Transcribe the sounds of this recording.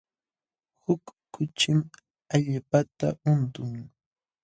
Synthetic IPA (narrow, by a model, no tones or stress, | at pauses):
hʊkːʊt͡ʃɪm | aʎpat̪a̰ʊnt̪ʊŋ